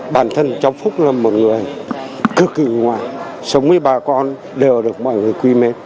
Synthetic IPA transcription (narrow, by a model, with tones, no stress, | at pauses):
ɓaː˧˩nt̪ʰə˧nt͡ɕa˨˧˦wfʊ˦˥k͡p̚laː˨˩mo˨˩t̚ŋɨ˨˩əjkɨ˨˧˩kːɨ˧˩ŋwa̰ː˨˩jsa˨˦wŋ͡mmɨ˧əjɓaː˨˩kɔ˧n | ɗe˨˩wɗɨ˨˩ək̚mɔ̰˧˨jŋɨ˨˩əjkwi˧me˧˦